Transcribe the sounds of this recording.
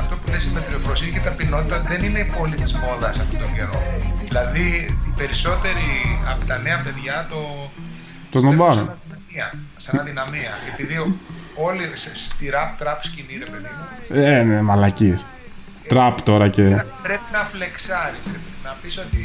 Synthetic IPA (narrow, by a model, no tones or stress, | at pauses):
ɐft̪o̞pulesimep̪ɾio̞pɾosicet̪ɐpino̞t̪it̪ɐðenine̞ipo̞lit̪izmo̞ðɐsɐft̪ot̪okeɾo̞ðilɐðit̪ibe̞ɾiso̞t̪e̞ɾiɐpot̪ɐne̞ɐpe̞ðʝɐt̪o̞ | t̪oznobɐɾonɐi | iɐsɐnɐðinɐmiɐepiðio̞lisest̪iɾɐpt̪ɾɐpsciniðepeðienemɐlɐcis | t̪ɾɐpt̪o̞ɾɐcepɾepinɐfle̞ksɐɾisenɐpiso̞t̪i